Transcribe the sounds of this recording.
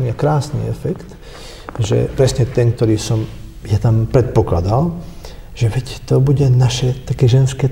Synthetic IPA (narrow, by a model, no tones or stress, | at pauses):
ɲiakɾaːsnḭːɛfɛkt̪ | ʒɛ̰pɾɛsɲɛt̪ɛnk̚t̪ɔɾiːsɔmjat̪ampɾɛt̪̚pɔklad̪al | ʒ̥ɛʋɛct̪ɔbuɟɛnaʃɛt̪akɛʒɛnskɛ